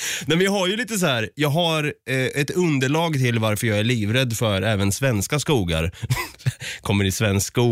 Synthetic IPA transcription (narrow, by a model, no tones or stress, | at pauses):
nɛmvɪɦaɾjɵliːt̪əs̬ɔhæːɾjɑːɡɦaɾɛt̪ɵnd̪əɭɑːɡt̪ʰɪlvaɾfœɾjɑːɡæɭiːvɾɛd̪ːfœɾɛːvənsvɛnskaskuːɡa̰ɾ | kʰɔmːəɾɪsvɛnsskuː